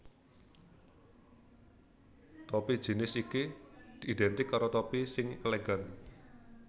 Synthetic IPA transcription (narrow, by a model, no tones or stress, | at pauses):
t̪ɔpi̥ʒ̥i̤nɪsikid̪̥i̤ːd̪ɛnt̪ɪkːaɾot̪ɔpisɪŋeleɡan